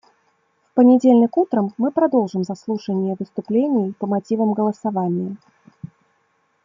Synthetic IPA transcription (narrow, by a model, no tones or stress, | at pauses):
fpənʲɪdʲelʲnʲɪkut̪ɾəmːɨpɾɐd̪o̞lˠʐɨmzɐslˠuʂənʲɪjəvɨst̪ʊplʲenʲɪjpəmatʲivəmɡəlˠəsavanʲɪjə